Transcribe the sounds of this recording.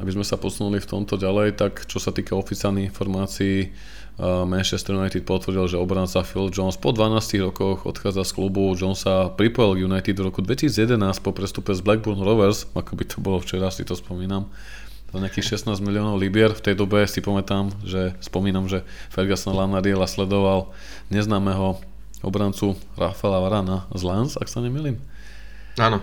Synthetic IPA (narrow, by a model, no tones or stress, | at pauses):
abizmɛsapɔsunulift̪ɔmt̪ɔɟalɛjt̪akt͡ʃɔsat̪iːkaɔfit͡sɪalniɣinfɔɾmaːt͡siː | mɛnʃɛst̪ɾjunajt̪it̪̚pɔt̪ʋɾ̩ɟilʒɛɔbɾant͡safild͡ʒɔnspɔd̪ʋanaːsciɣɾɔkɔxɔ̰t̪xaːd͡zasklubud͡ʒɔnsapɾipɔjilɡjunajt̪id̪vɾɔkud̪ʋɛcisiːd͡zjɛd̪ɛnaːsc̚pɔpɾɛst̪upɛzblɛɡ̚buɾnuɾɔʋɛɾsakɔbit̪ʰɔ̥bɔlɔft͡ʃɛɾasḭt̪ɔspɔmiːnam | ɲɛakiːxʃɛsnaːzmiliɔːnɔʊlibɪɛɾft̪ɛjd̪ɔbɛsipamɛt̪amʒɛspɔmiːnamʒɛ | fɛɾɡasɔnlanaɾiɛlaslɛd̪ɔʋal | ɲɛznaːmɛːɦɔ | ɔ̰bɾant͡su | ɾa̰fɛlaʋaɾanazlansa̰ksaɲɛmiːliːm | aːnɔ